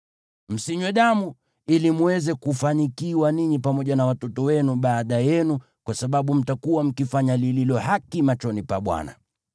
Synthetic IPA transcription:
m̩siɲwɛɗamu | ilimwɛzɛkufaɲikiwaniɲipamɔʄanawatɔtɔwɛnuɓaːɗajɛnu | kwasaɓaɓum̩takuwam̩kifaɲalililɔhakimat͡ʃɔnipaɓwa̰na̰

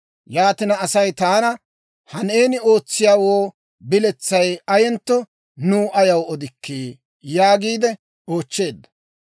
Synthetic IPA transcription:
jaːt̪ɪnɐːsɐjt̪aːnɐ | hɐneːnɪo̞ːt͡sːɪjaːwoː | bɪlɛt͡sːɐjɐjɛnt̪ːɔ | nuːʔɐjɐwɔd̪ɪkːeː | jaːɡiːd̪ɛ | o̞ːt͡ʃːe̞ːd̪ːɐ̥

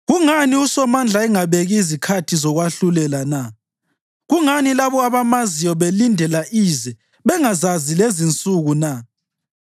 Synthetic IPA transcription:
ɣuŋaniusɔmand͡ɮʱaɛŋaβeɣizikʰatʰizɔɣwaɬulɛlana | ɣuŋanilaβɔaβamazijɔβelindʱɛlaʔiːzɛ | βɛŋazazilezint͡sʼuɣuna

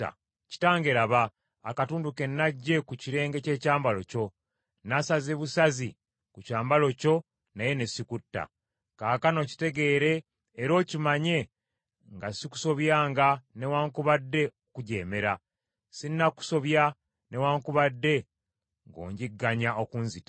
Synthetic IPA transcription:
ci̥taːŋɡe̞ɾaβaː | katuːnduke̞nːaɟːe̞kuciɾe̞ːŋɡe̞ce̞ːcaːmbalo̞co̞ | nasazeβusazi | kucaːmbalo̞co̞ | naje̞nesikutːa̰ | kaːkano̞ci̥te̞ɡe̞ːɾe̞ː | ɾo̞ːcimaɲe̞ | ŋɡasiku̥so̞βjaːŋɡane̞waːŋkuβadːe̞okuɟe̞ːme̞ɾa | sinːaku̥so̞βja | ne̞waːŋkuβadːe̞ | ŋɡo̞̰ːɲɟiɡːaɲaʔokunzitḁ

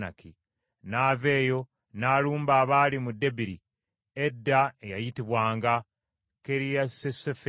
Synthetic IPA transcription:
na̰ki | naːve̞ːjo̞ | naːluːmbaːβaːlimudːe̞biɾi | edːae̞jajitiβwaːŋɡa | ke̞ɾijasesefe

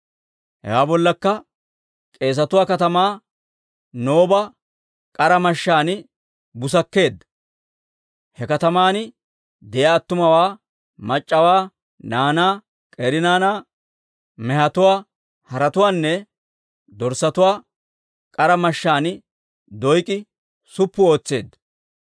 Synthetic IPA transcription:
hɛ̰waːbɔlːɐkːɐ | kʼe̞ːs̬ɐt̪ʊwaːkɐt̪ɐmaː | no̞ːbɐ | kʼɐɾɐmɐʃːaːn | bʊs̬ɐkːe̞ːd̪ːɐ | hɛkɐt̪ɐmaːn | d̪ɛjɐːt̪ːʊmɐwaː | mɐt͡ʃʼːɐwaː | naːnaː | kʼeːɾɪnaːnaː | mɛhɐt̪ʊwaː | hɐɾɐt̪ʊwaːnːɛ | d̪ɔɾsɐt̪ʊwaː | kʼɐɾɐmɐʃːaːnɪ | d̪ɔjkʼɪ | sʊpːʊo̞ːt͡sːe̞̰ːd̪ːɐ

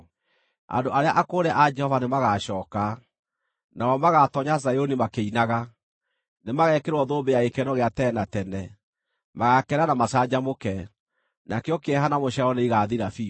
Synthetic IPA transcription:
a̰ndoʔaɾeaʔakoːɾɛʔad͡ʒɛhɔvanemaɣaɕɔːka | nawɔmaɣatɔɲazajonimakeinaɣa | nemaɣɛkeɾwɔðoːbejaekɛnɔɣeatɛnatɛnɛ | maɣakɛɾanamasad͡ʑamokɛ | nakeɔkeɛɦanamoɕaɔneiɣaðiɾafi

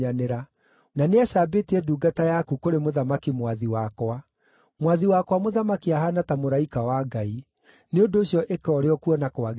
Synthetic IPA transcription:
aneɾa | naneasaːbetiɛduːɡatajakukoɾemoðamakimwaðiwakwa | mwaðiwakwamoðamakiaɦanatamoɾaikawaɡai | neondoːɕjɔʔekɔɾeɔkuɔnakoaɣ

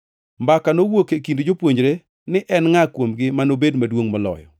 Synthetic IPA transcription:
mbakanowokekindod͡ʒopwoɲd͡ʒɾe | nɪʔɛnŋakwomɡɪmanobedmadwoŋmɔlɔ̰jɔ̰

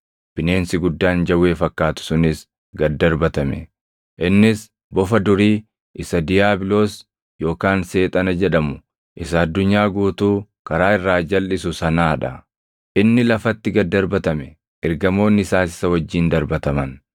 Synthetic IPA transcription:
b̥ɪne̞ːnsɪɡʊd̪ːaːnd͡ʒɐwe̞ːfɐkːaːt̪ʊ̥sʊnɪs | ɡɐd̪ːɐɾbɐt̪ɐmɛ̰ | ʔɪnːɪs | bɔfɐd̪ʊɾiː | ʔɪsɐd̪ɪjaːbɪlo̞ːs | jo̞ːkaːnse̞ːt̪ʼɐnɐd͡ʒɛᶑɐmʊ | ʔɪsɐːd̪ːʊɲːaːɡuːt̪uː | kɐɾaːɪrːaːd͡ʒɐlːɪsʊsɐnaːᶑɐ | ʔɪnːɪlɐfɐt̪ːɪɡɐd̪ːɐɾbɐt̪ɐmɛ | ʔɛɾɡɐmo̞ːnːɪsaːsɪ̥sɐwɐd͡ʒːiːnd̪ɐɾbɐt̪ɐmɐn

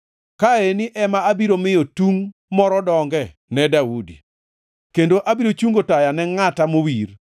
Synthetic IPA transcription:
kaenɪʔɛmaabiɾomɪjotuŋmɔɾɔdɔŋɡɛ | nɛdaudḭ | kendoʔabiɾot͡ʃuŋɡotajanɛŋatamowir

